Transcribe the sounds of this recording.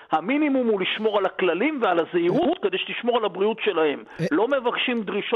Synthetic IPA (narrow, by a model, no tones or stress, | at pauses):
haminimumhuliʃmo̞ʁalaklalimvealazeiʁuut̪̚ked̪ejʃeliʃmo̞ʁalabʁiutʃe̞lahe̞mlo̞me̞vakʃimd̪ʁiʃ